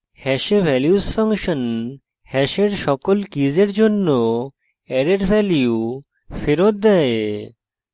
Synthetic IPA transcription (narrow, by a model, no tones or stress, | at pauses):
hɛʃebʱɛljusfaŋʃon | hɛʃeɾʃɔkolkid͡ʑeɾd͡ʑonːo | ɛɾeɾbʱɛljiju | feɾot̪̚d̪ɛe